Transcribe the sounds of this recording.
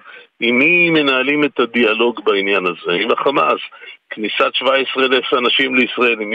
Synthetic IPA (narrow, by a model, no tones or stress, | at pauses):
imime̞naːlimet̪ad̪ialo̞ɡbainjanazeibaχama̰zknisatʃvaesʁeleseanaʃimleisʁae̞lim